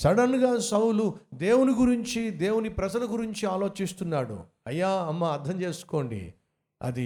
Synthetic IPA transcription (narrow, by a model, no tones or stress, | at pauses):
sɐɽɐnɡaːsɐwlud̪e̞ːwuniɡuɾiɲt͡ʃid̪e̞ːwunipɾɐd͡ʒɐlɐɡuɾiɲt͡ʃiaːlo̞ːt͡ʃist̪unːaːɽṵ | ɐjːaːɐmːɐːɾd̪ʱɐmt͡ʃe̞ːsu̥ko̞ːɳɖḭ | ɐ̰d̪i